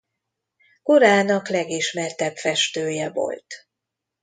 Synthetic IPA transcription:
koɾaːnɒklɛɡiʃmɛrt̪ɛpfɛʃt̪øːjɛvo̰lt̪

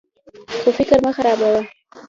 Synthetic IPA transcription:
xofɪkɾmaxaɾɑbawa

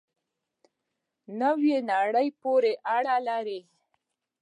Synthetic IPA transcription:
nawjenɑɽəjpoɾeʔaɽalaɾi

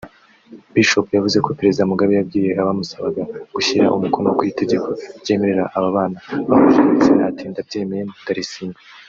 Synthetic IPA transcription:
biʃo̞pjavuze̞ko̞peɾe̞zidamuɡaβijab̚ɡiːje̞ʔaβamusaβaɡaɡ̥uçiɾaʔumukonokwite̞ɟe̞kʰo̞bɟe̞ːme̞ɾeɾaʔaβaβaːnaβakuʃiit͡seatiːndab̚ɟe̞ːmejentaɾisiːnɡa

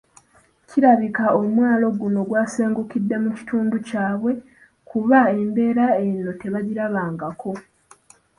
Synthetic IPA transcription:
cʰiɾaβikaomwaːlo̞ɡuno̞ɡwaːseːŋɡukidːe̞muci̥tuːnducaːβwe̞ | kʰuβae̞mbe̞ːɾae̞nːo̞te̞βaɟiɾaβaːŋɡakʰo̞

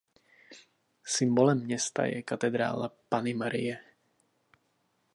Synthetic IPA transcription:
simbɔlɛmːɲɛst̪a̰jɛ̰kat̪ɛd̪ɾa̰ːlapanimaɾḭɛ

